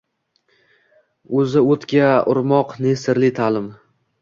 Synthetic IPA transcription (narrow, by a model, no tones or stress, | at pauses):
ɵzɪot̪kʲaʊ̰ɾmɒqnesɪɾlɪt̪ʰalɪm